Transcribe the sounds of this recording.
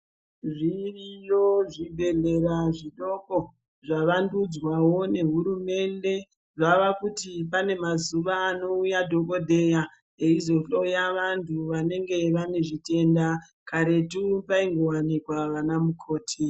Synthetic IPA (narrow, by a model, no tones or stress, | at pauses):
ʐirijoʐibʱe̞ɮe̞raʐiɗo̞ko | ʐaʋandud͡zwawo̞ne̞ɦuɾume̞nde̞ | ʐaʋakutip̬ane̞mazuʋaːno̞ujadʱo̞ko̞dʱe̞ja | eizo̞ojaʋantʰuʋane̞ŋɡe̞ʋane̞ʐite̞nda | kaɾe̞tupaiŋɡo̞wanikwaʋanamukʰo̞ːtʰi